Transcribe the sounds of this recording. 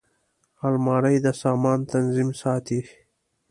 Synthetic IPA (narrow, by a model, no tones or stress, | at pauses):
halmɑːɾəjd̪əsɑːmɑːnt̪anzimsɑːt̪i